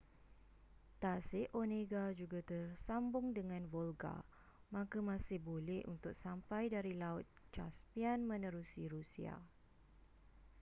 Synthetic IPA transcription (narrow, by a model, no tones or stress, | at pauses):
t̪asɪʔonẽɡad͡ʒuɡat̪ərsambʊŋdəŋãnvolɡa̰ | mãkamãsɪhbolɛhʔṵnt̪ʊk̚sampajdaɾilaʊt̪̚t͡ʃa̰spianmə̃nə̃ɾusiɾusia̰